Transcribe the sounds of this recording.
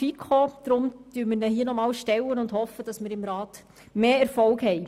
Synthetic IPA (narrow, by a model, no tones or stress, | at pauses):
ikʰod̪̥ɾʊmd̥yːɾmɪɾnɛɦiːənɔmɑːlʃtɛlːənʊnd̥hɔfəd̥ɑsmɪːɾɪmɾɑːt | meːɛɾfɔlkhɛɪ